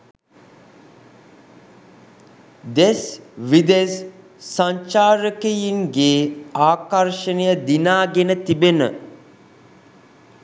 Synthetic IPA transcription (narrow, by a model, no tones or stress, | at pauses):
d̪esʋid̪es | saɲt͡ʃaːɾəkejiŋɡeːaːkɐrʃənejəd̪inaːɡenət̪ibenə̰